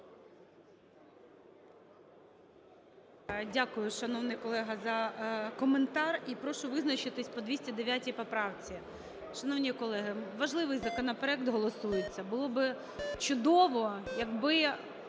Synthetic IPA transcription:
dʲakʊjʊʃɐnɔwnɪjkɔlˠɛɦɐzɐkɔment̪ɑripɾɔʃʊʋɪznɐt͡ʃɪt̪ɪsʲpɔd̪ʲʋʲisʲtʲɛd̪eʋʲjatʲijpɔpɾɑwt͡sʲi | ʃɐnɔwnʲikɔlˠɛɦɪʋɐʒlˠɪʋɪjzɐkɔnɔpeɾɛkt̪ɦɔlˠɔsujet͡sʲːɐbʊlˠɔbɪ | t͡ʃʊd̪ɔʋɔjɐɡbɪ

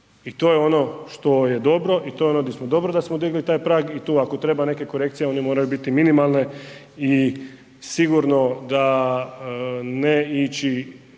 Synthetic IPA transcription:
it̪oːjeo̞no̞ʃt̪o̞je̞d̪o̞bɾo̞ʔit̪o̞jeonod̪ʲesmod̪o̞bɾod̪asmod̪iɡlit̪aːjpɾaːɡit̪uːako̞t̪ɾe̞bane̞ke̞koɾe̞kt̪sijeo̞nimo̞ːɾajubit̪iminimalˠne | i | siɡuɾno̞d̪a | neit͡ʃi

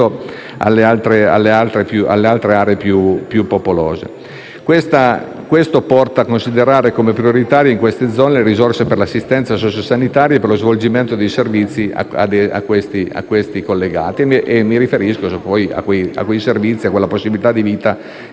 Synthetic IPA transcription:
o | a̰lːealt̪ɾea̰lːealt̪ɾepjuʔa̰lːealt̪ɾeaːɾeepjupjupːopoloːzḛ | kwest̪a | kwest̪opɔrt̪aːkːonsid̪eɾaːɾekomepɾjoɾit̪aːɾjeiŋkwest̪ed̪zːɔːneleɾizorseperlasːist̪ɛnt̪sasɔːt͡ʃosanit̪aːɾjaeperlozvold͡ʒiment̪od̪ejservit̪sːia̰a̰d̪ea̰kːwest̪ia̰kːwest̪ikolːeɡa̰ːt̪imʔemːiɾifeɾiskospɔja̰kːweja̰kwejservit̪sːiakwelːaposːibilit̪ad̪ːiviːt̪a

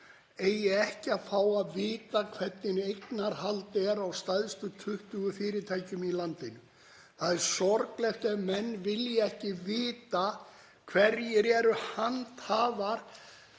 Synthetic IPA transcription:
ejɛɣɛhcɪaðfaːwaðvɪːt̪akʰv̥ɛt̪nɪnejknaɾhalt̪ɛɾawst̪ajðst̪ʏt̪ʰʏht̪ʏɣʏfɪːɾɪɾt̪ʰaːjcʏmilant̪ɪnʏ | θaðɛɾ̥sɔɾklɛxt̪ɛmɛnːvɪljɛɛhcɪvɪːt̪a | kʰv̥ɛɾjɛɾɛɾʏhant̪haːvaɾ̥

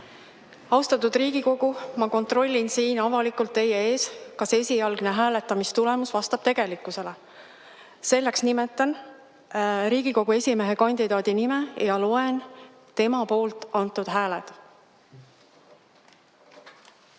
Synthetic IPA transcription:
ɑwst̪ɑt̪ːˑud̪̥riːɡ̥iko̞ɡ̥umɑko̞nt̪ˑro̞lʲːinsiːnɑvɑlikult̪ːe̞jeeːskɑse̞sʲijɑlɡ̥ne̞ɦæːle̞t̪ːˑɑmist̪ule̞musvɑst̪ɑb̥t̪e̞ɡ̥e̞likːˑuse̞le | se̞lːe̞ksnimet̪ːˑɑn | ɾiːɡ̥iko̞ɡ̥ue̞sʲime̞ɦe̞kɑnʲd̪̥id̪ɑːd̪̥inimejɑlo̞e̞n | t̪e̞mɑpo̞ːlt̪ˑɑnt̪ːˑud̪̥ɦæːled̪̥

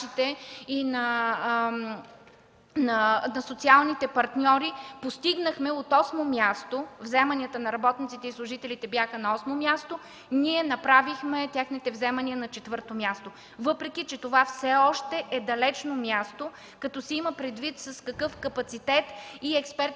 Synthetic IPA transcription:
it̪ɛinɐ | nɐnɐsot̪sialˠnit̪ɛpɐɾt̪nʲɔɾipost̪iɡnəxmɛot̪ɔsmomʲjast̪ovzɛmɐnʲiət̪ənɐɾɐbɔt̪nit̪sit̪ɛislˠʊʒit̪ɛlit̪ɛbʲjaxənɐɔsmomʲjast̪o | niɛnɐpɾavixmɛt̪ʲjaxnit̪ɛvzɛmɐniənɐt͡ʃɛt̪vɤɾt̪omjast̪o | vɤpɾɛk̟it͡ʃɛt̪ovafsɛɔʃt̪ɛʔɛd̪ɐlɛt͡ʃnomʲjast̪o | kɐt̪ɔsɛiməpɾɛd̪vit̪sɐskɐkɤfkɐpɐt̪sit̪ɛt̪iɛkspɛɾt̪

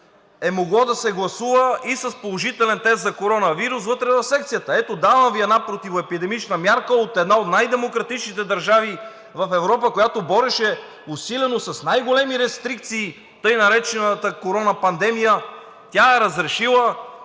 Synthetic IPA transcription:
ɛmoɡlˠɔd̪ɐsɛɡlˠɐsuvəisɐspolˠoʒit̪ɛlɛnt̪ɛs̬t̪zɐkoɾɔnəviɾusvɤt̪ɾɛvɐfsɛkt̪sijət̪əɛt̪od̪avəmviɛd̪napɾot̪ivoɛpid̪ɛmit͡ʃnəmʲjaɾkəot̪ɛd̪naot̪najd̪ɛmokɾɐt̪it͡ʃnit̪ɛd̪ɐɾʒavi | vɐfɛvɾɔpəkojat̪obɔɾɛʃɛ | ʊsilɛnosɐsnajɡolɛmiɾɛst̪ɾik̚t̪siː | t̪ɤjnɐɾɛt͡ʃɛnət̪əkoɾɔnəpɐnd̪ɛmijə | t̪ʲaɛɾɐzɾɛʃilˠə

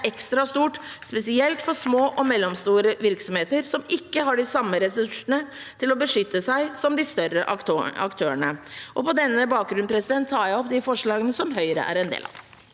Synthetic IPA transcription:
ɛkst̪ɾɑst̪uːʈspɛsɪɛlt̪fɔʂmoːʔɔmɛlːɔmst̪uːɾəʋɪɾksɔmheːt̪əɾsɔmɪkːəɦɑɖɪsɑmːəɾɛsʉʂənət̪ʰɪlɔbəʂʏt̪ːəsæɪsɔmd̪ɪst̪œɾəʔɑɑ̰kt̪ʰøːəɳəʔɔpɔd̪ɛnːəbɑːk̚ɡɾʉnpʰɾɛsɪd̪ɛnt̪ʰːɑːjæɪɔpd̪ɪfɔʂɭɑːɡənəsɔmɦœʏəɾə̰ʔæ̰ɾɛnd̪ḛːlɑ̰

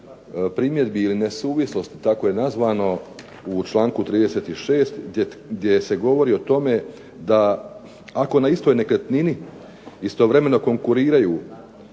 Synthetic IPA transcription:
pɾiːmje̞d̪biːline̞suːʋislo̞st̪i̥t̪ako̞je̞nazʋaːno̞ | ut͡ʃlˠaːŋkut̪ɾiːd̪e̞se̞ːt̪iʃe̞ːst̪ɡd̪je̞se̞ɡo̞ʋo̞ɾiːo̞t̪o̞me̞ | d̪a | ako̞naist̪o̞jne̞klet̪nini | ist̪o̞ʋɾe̞me̞no̞ko̞ŋkuɾiːɾajuː

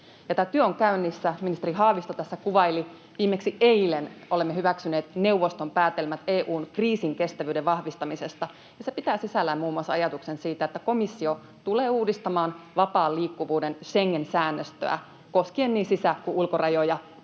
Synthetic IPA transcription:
jɑt̪æːt̪yøoŋkæynːisːæminist̪eriɦɑːʋist̪ot̪æsːækuʋɑili | ʋiːmːeksiʔeilenolemːeɦhyʋæksyneːt̪ne̞uʋost̪ompæːt̪elmæt̪eːʔuːnkriːsiŋke̞st̪æʋyːdeʋʋɑhʋist̪ɑmisest̪ɑ | jɑse̞pit̪æːsisælːæmmuːmːuɑsɑjɑt̪uksensiːt̪æet̪ːæko̞misːio | t̪uleːuːdist̪ɑmɑːnʋɑpɑːliːkːuʋuːdenʃeŋːensæːnːøst̪ø̰æ̰ | ko̞skienːiːnsisækuʔulkorɑjojɑ

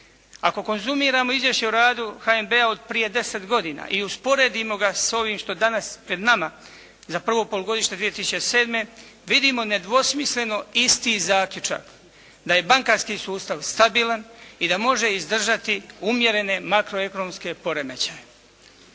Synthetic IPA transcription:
ako̞ko̞nzumiːɾaːmoizjeʃeuɾaːd̪uxaembe̞ao̞d̪̚pɾije̞d̪e̞se̞t̪ɡo̞d̪ina̰ːʔiuspo̞ɾe̞ːd̪imo̞ɡaso̞ʋiːmʃt̪o̞d̪anaspɾe̞d̪nama | zapr̩ʋo̞po̞luɡo̞d̪iʃt̪ed̪ʋije̞t̪isut͡ʃese̞ːd̪me̞ | ʋid̪imo̞ne̞d̪ʋo̞smisle̞no̞ist̪iːzaːkʎʲut͡ʃa̰k | d̪aje̞baŋkaɾskisuːst̪aʋst̪abiːlanid̪amo̞ʒe̞izd̪r̩ʒat̪iumje̞ɾe̞ne̞makɾo̞e̞ko̞nomske̞po̞ɾemet͡ɕaje

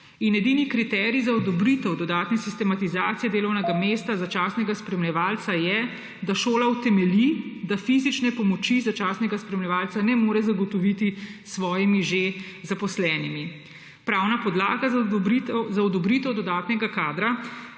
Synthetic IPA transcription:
injɛd̪iːnikɾit̪ɛɾizaɔd̪ɔbɾit̪ɛwd̪ɔd̪aːt̪nɛsist̪ɛmat̪izaːt̪sijɛd̪eːlɔwnɛɡamest̪azat͡ʃaːsnɛɡaspɾɛmlɛʋaːlt̪sajɛ | d̪aʃoːlawt̪ɛmɛlid̪afizit͡ʃnɛpɔmɔt͡ʃizat͡ʃaːsnɛɡaspɾɛmlʲɛʋaːlt̪sanɛmoːɾɛzaɡɔt̪ɔʋit̪isʋɔːjimiʒe | zapɔslɛːnimi | pɾaːwnapɔd̪laːɡaz | zaɔd̪ɔbɾiːt̪ɛwd̪ɔd̪aːt̪nɛɡakaːd̪ɾa

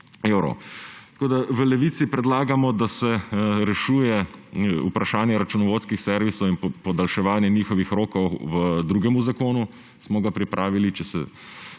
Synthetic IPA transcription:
ewɾɔ̰t̪koːd̪aʋəlɛʋiːt̪sipɾɛd̪laːɡamɔd̪asɛɾɛʃuːjɛṵpɾaʃaːnjɛɾat͡ʃunɔʋoːt̪skixsɛɾʋisɔwinpɔd̪alʃɛʋaːnjɛniːxɔʋixɾoːkɔwʋəd̪ɾuːɡɛmuzakoːnu | smɔɡapɾipɾʔaːʋilit͡ʃɛsɛ̰

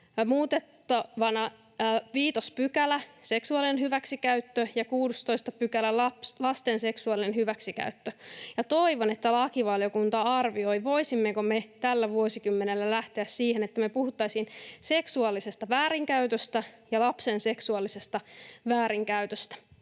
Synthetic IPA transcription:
muːt̪et̪ːɑʋɑnɑ | ʋiːt̪ospykælæse̞ksuɑlinenɦyʋæksikæyt̪ːøjɑkuːdust̪oist̪ɑpykælælɑplɑst̪ense̞ksuɑlinenhyʋæksikæ̰yt̪ːøjɑt̪o̞iʋonet̪ːælɑkiʋɑljokunt̪ɑɑrʋio̞jʋo̞isimːekomet̪ælːæʋuosikymːenelːælæht̪eæssiːhenet̪ːæmepuhut̪ːɑisinse̞ksuɑlːisest̪ɑʋæːɾiŋkæyt̪øst̪æjɑlɑpse̞nse̞ksuɑlːˑise̞st̪ɑʋæːɾiŋkæyt̪øst̪æ̥

